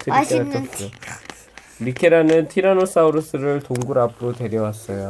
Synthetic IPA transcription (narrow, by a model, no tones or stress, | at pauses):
tʰɯik͈etʰet͡ɕo | ɾikʰeɾanɯntʰiɾanos͈auɾɯs͈ʰɯɾɯɭtoŋɡuɾapʰɯɾote̞ɾjʌwas͈ʌjo